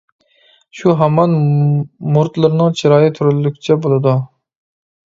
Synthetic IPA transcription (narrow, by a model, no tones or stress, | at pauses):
ʃuɦæmɑn | muɾt̪lˠɨɾnɨŋt͡ʃʰiɾɑːjɪt̪ʰyɾylːykʲʰi̥t͡ʃʰɛbolˠɨd̪u